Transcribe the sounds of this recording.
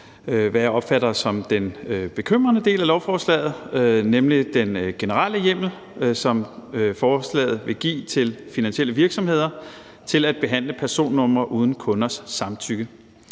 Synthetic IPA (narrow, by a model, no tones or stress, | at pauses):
ʋæaɒ̽b̥fæɾɐsɒ̽md̥enb̥e̝kʰøm̰ʁɐnəd̥e̝̰ːlælɒʊfɒːslɛ̰ːð̞̩ˠnemlid̥enɡ̥e̝nəʁɑləjem̰l̩ | sɒ̽mfɒːslɛ̰ːð̩ˠʋe̝ɡ̥ḭːt͡sʰe̝lfinænsiel̰əʋiɐɡ̥sɒ̽mhe̝ð̞̰ˠɐ | t͡sʰe̝læd̥̚b̥e̝ɦæn̰ləpʰæɐso̝̰ːnːɔ̽m̰ɐʔuːð̞ˠn̩kʰɔ̽nɐsːɑ̈mt͡sʰyɡ̥ə